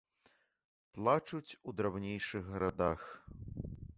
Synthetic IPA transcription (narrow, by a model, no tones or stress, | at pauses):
plˠat͡ʂut͡sʲud̪ɾawnʲejʂɨɣɣɐɾad̪ax